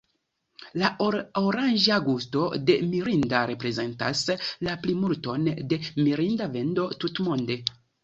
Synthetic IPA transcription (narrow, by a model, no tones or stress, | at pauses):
laoɾand͡ʒaɡusto̞de̞miɾindaɾe̞pɾe̞ze̞nta̰slaplimulto̞nde̞miɾindave̞ndo̞tutmonde̞